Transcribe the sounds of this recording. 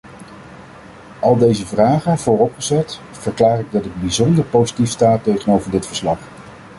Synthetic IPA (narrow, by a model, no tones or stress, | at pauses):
ɑlˠdejzəvraːχəvʊːrɔpχəzɛt | fəɹklaːrɪɡ̚dɑtəd̚bizɔndəɹpowzitifstaːtejχənowvəɹdɪtfə̥ɹslɑχ